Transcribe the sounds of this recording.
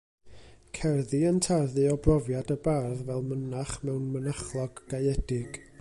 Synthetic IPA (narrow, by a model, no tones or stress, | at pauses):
kʰɛrðɨəntʰarðɨɔbrɔvjadəbarðvɛlˠmənaχmɛwnmənaχlˠɔɡ̥ːajɛdɪɡ̥